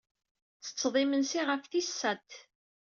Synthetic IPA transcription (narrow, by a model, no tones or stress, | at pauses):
t͡sːə̥t͡sːðˤɪmənsiʁəfθisːæt̪